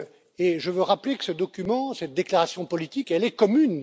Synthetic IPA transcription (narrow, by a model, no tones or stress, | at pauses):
eʒəvøʁaplekə̥səd̪ɔkʲymɑ̃sɛt̪̚d̪eklaʁasjɔ̃pɔlit̪ikɛlɛkɔmyn